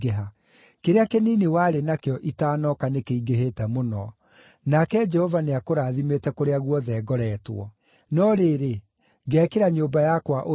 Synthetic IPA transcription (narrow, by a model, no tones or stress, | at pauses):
ɡeɦa | keɾeakeniːnewaɾenakeɔʔitaːnɔkanekeiɡeɦetɛmonɔ | nakɛd͡ʒɛhɔvaneakoɾaðimetɛkoɾeaɣwɔðɛːɡɔɾɛːtwɔ̰ | nɔɾeːɾe | ɡɛːkeɾaɲoːbajakwaʔo